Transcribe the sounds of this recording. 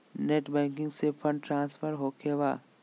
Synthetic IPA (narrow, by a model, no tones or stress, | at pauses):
neːʈbɛ̃ːŋk̬ɪ̃ŋɡsepʰə̃ɳɖʈɾãːnsfʰəɾɦoːkʰeːwa̰ː